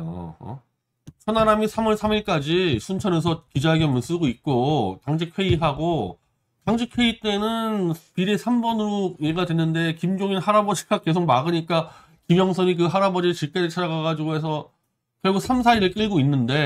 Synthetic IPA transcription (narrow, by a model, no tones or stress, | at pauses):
o̰ʌ̰ | t͡ɕʰʌnaɾamisʰamʌɭsʰamiɭk͈ad͡ʑisʰunt͡ɕʰʌnes̬ʰʌkid͡ʑaɡiʌmjʌns͈ɯɡoit̚k͈otaŋd͡ʑʰikʰwe̞iɦaɡo | taŋd͡ʑʰikʰwe̞it͈e̞nɯnpiɾesʰambʌnɯɾojeɡadwe̞nːɯnde̞kimd͡ʑoŋinhaɾabʌd͡ʑʰi̥k͈ʰak͈e̞s̬ʰok̚maɡɯɲik͈a | kimjʌŋsʰʌɲik̬ɯɦaɾabʌd͡ʑit͡ɕiɭk͈eɾɯt͡ɕʰad͡ʑaɡaɡad͡ʑiɡoɦe̞sʰʌ | kjʌɭɡuk̚sʰams̬ʰaiɾɯɭk͈ɯɭɡoinːɯnde̞